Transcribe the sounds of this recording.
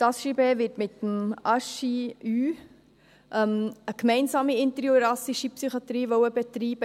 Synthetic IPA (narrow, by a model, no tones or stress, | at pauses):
tɑsʃibeːvɪtmɪtəmɑʃiyː | ʔɛməkmɛɪnsɑːmiɪnt̪əɾjoɾɑsiʃipsyχɑt̪ɾiːʋɔʊəbɛt̪ɾiːb̥ə